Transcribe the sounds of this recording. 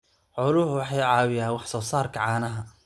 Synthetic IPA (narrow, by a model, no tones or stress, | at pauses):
ʕʊlʊhwɑħɑjʕɑːwɪjaːnwɑħsɔːsaːrkʰɐʕɑːnɐɦɐ